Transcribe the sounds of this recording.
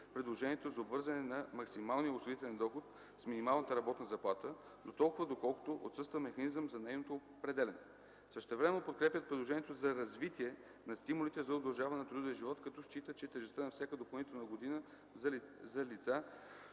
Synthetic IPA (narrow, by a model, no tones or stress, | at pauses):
pɾid̪lˠoʒɛnʲiɛt̪ozɐobvɤɾzɐnɛnɐmɐksimalˠnijəʊsˠoit̪ɛlɛnd̪ɔxot̪ | sminimalˠnət̪əɾɐbɔt̪nəzɐplˠat̪ə | d̪ot̪ɔlˠkʊvəd̪okɔlˠko̥t̪oʔo̰t̪sɤst̪vəmɛxɐnizəmzɐnɛjnot̪opɾɛd̪ɛlɛnɛ | fsəʃt̪ɛvɾɛmɛnopot̪kɾɛpʲət̪̚pɾid̪lˠoʒɛniɛt̪ozɐɾɐzvit̪iɛ | nɐst̪imʊlit̪ɛzɐod̪ɐlˠʒavɐnɛnɐt̪ɾud̪vijəʒivɔt̪kɐt̪ɔʃt͡ʃit̪ət͡ʃɛt̪ɛʒɛst̪ənɐfsʲakəd̪opɐlˠnit̪ɛlˠnəɡod̪inə | zɐlit̪sa